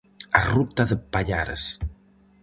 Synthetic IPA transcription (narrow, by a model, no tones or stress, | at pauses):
arut̪ɐðepaʎaɾḛs